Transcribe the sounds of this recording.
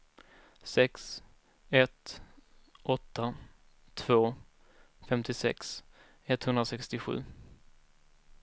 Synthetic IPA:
sɛks | ɛt̪ | ʔɔt̪ʰːa | t̪ʰv̥oː | fɛmt̪ʰɪsɛ̰ks | ɛt̪hɵnd̪ɾasɛkst̪ɪɧʉ̟̰ː

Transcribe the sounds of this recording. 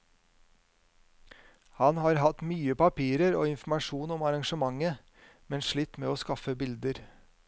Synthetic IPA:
hɑnhɑːɾɦɑt̪myːəpɑpʰiːɾəɾoːɪnfm̩ɑʂuːnɔmɑɾɑŋʃəmɑŋə | mɛnʂɭiːt̪meːoːskɑfəbɪld̪əɾ

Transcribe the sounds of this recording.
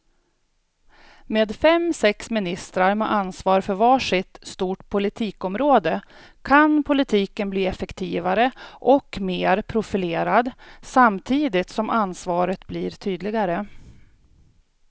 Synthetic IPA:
meːd̪fɛmsɛksmɪnɪst̪ɾaɾmɛ̰ʔansvɑːɾfœɾvɑːʂɪt̪st̪uːʈpʰʊlɪt̪ʰiːkɔmɾoːd̪ə | kʰanpʰʊlɪt̪ʰiːkənbliːɛfɛkt̪ʰiːvaɾəʔɔkmeːɾpʰɾʊfɪleːɾad̪samt̪ʰiːd̪ɪt̪sɔmʔansvɑːɾət̪bliːɾt̪ʰyːd̪lɪɡaɾə

